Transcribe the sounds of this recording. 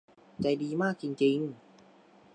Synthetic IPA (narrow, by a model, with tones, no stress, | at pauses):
t͡ɕa˧jdiː˧maː˥˩k̚t͡ɕi˧ŋt͡ɕi˧ŋ